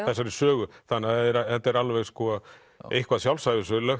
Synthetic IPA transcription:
θɛsːaɾɪɾ̥sœːɣʏθanːaθɛðɾθɛt̪ːaɛɾalvɛɣskɔ | ejhkvaðsjawlsajvɪsʏlɛx

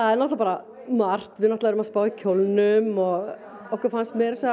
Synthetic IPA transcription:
aðɛnɔht̪lapaːɾa | mar̥t̪vɪðnɔht̪aɛɾʏmaðspaːwɪcʰolnʏmɔɣ | ɔhkaɾfanst̪mɛɾsɛ

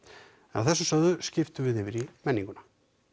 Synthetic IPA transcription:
ɛna̰wθɛsːʏsœððʏscɪft̪ʏvɪðɪvɪɾimɛnːiŋkʏnḁ

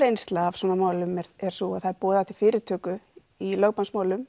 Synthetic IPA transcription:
ɾejnst̪laav̥sɔːnːamaːwlʏmɛɾɛɾ̥sɔaθaɛɾpɔːðɪaht̪ɪl̥fɪːɾɪɾt̪ʰœːkʏ | ilœɣpansmaːwlʏm

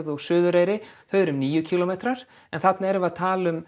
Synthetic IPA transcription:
ðɔɣsʏːðʏɾeːjɾɪθœɥɾʏmniːjʏcʰiːlomejt̪ɾaɾ̥ | ɛnθat̪naɛɾvaðt̪ʰaːlʏm

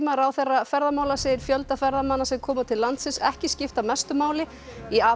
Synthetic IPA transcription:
maɾawθɛrafɛɾðamaːwlaseːjɪɾ̥fjœlt̪afɛɾðamanːasɛmkʰɔːmat̪ʰɪlːant̪sɪnsɛhcɪscɪft̪amɛst̪ʏmaːwlɪ | iaː

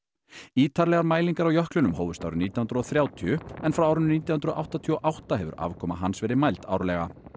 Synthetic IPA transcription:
iːt̪ʰaɾlɛɣaɾmaːjliŋkaɾawjœhklʏnʏmhoːwvʏst̪a̰wɾʏniːt̪jahʏnɾʏɔθɾjaːwt̪ʰiʏɛnfɾawawɾʏnniːt̪jawhnɾɔʔa̰wht̪at̪ʰiɔʔawht̪aɦɛvʏ̰ɾʔa̰vkʰɔːma̰ɦansvɛːɾɪmajlt̪a̰wɾlɛɣa̰

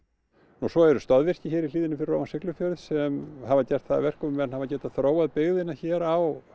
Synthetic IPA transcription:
nusɔɛɾʏst̪aðvɪr̥cɪçɛːɾiliːðɪnɪfɪɾɪro̰ːmasɪklʏfjœɾʏðsɛmhavacɛ̥t̪θaða̰vɛr̥kʏmvɛnhavacɛ̥ːt̪aðθɾoːwaðpɪɣðɪnːaçɛːɾaw

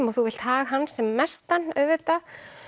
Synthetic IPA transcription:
mɔɣθuvɪl̥t̪haːɣɦanːsɛmːɛst̪anœvɪt̪a

